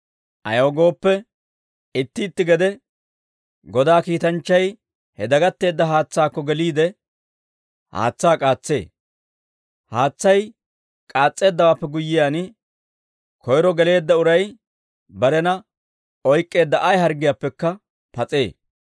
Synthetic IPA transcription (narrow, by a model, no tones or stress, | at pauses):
ʔɐ̰joːɡo̞ːpːɛ | ɪt̪ːɪːt̪ːɪɡɛd̪ɛ | ɡɔd̪aːkiːt̪ɐnt͡ʃːɐj | hɛd̪ɐɡɐt̪ːe̞ːd̪ːɐɦaːt͡sːaːkːɔɡɛliːd̪ɛ | ha̰ːt͡sːaːkʼaːt͡sːe̞̰ː | haːt͡sːɐj | kʼaːt͡sʼːe̞ːd̪ːɐwaːpːɛɡʊjːɪjaːnɪ | kʰɔjɾɔɡɛle̞ːd̪ːɐʊɾɐj | bɐɾɛnɐ | ɔjkʼːe̞ːd̪ːɐʔɐjɦɐɾɡɪjaːpːɛkːɐ | pɐt͡sʼe̞ː